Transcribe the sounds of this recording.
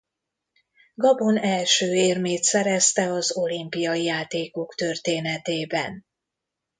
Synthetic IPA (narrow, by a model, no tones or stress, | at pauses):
ɡɒbo̞nɛlʃøːeːrmeːt̪sɛɾɛst̪ɛɒzo̞limpijɒijaːt̪eːko̞kt̪ø̞rt̪eːnɛt̪eːbɛ̰n